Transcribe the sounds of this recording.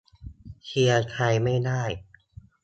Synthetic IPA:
kʰi˧ɐkʰa˧jma˥˩jdaː˥˩j

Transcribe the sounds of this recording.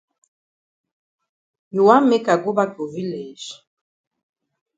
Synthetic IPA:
nu˨wa˦me˦ka˨ɡo˦ba˦ko˨vi˦lɛ˨ʒ̥

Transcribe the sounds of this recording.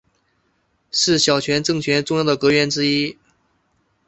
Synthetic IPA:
ʂɻ̩˥˩ɕjɑ˨˩ʊt͡ɕʰɥɛ˧˥nʈ͡ʂɤ˥˩ŋt͡ɕʰɥɛ˧˥nʈ͡ʂʊ˥˧ŋjʊd̪ə˩kɤ˧˥ɥɛ˧˥nʈ͡ʂɻ̩˥i˥

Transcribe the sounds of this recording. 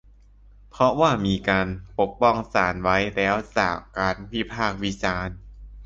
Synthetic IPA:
pʰɾɔ˦˥waː˥˩miː˧kaː˧npo˨˩k̚pɔ˥˩ŋsaː˩˦nwa˦˥jlɛː˦˥wt͡ɕa̰ː˨˩kkːaː˧npi˦˥˩pʰaː˥˩k̚wi˦˥t͡ɕaː˧n

